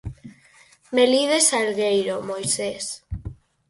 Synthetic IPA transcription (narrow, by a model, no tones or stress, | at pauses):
meliðesalɣejɾomojses